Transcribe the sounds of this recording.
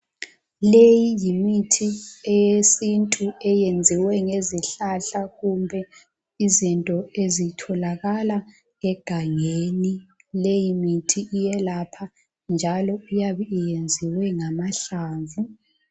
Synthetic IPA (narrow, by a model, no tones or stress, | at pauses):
lejijimitʰiɛjesintʼuɛjend͡zʱiwɛŋeziɬaɬaɣumbʱɛ | izintʼɔezitʰɔlaɣala | ɛɡ̥ʱaŋeni | lejimitʰiʔːjɛlapʰa | nd͡ʒʱalɔujaβɛijend͡zʱiwɛŋamaɬaːɱvu